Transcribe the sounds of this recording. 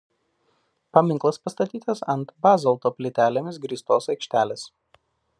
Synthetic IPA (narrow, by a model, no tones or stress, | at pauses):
pɐmʲɪŋklˠɐspɐst̪ɐt̪ʲiːt̪ɐsɐnt̪bɑːzɐlˠt̪oːpʲlʲɪt̪ʲæːlʲemʲɪs̬ɡɾʲiːst̪oːsɐɪkʃʲt̪ʲæːlʲeːs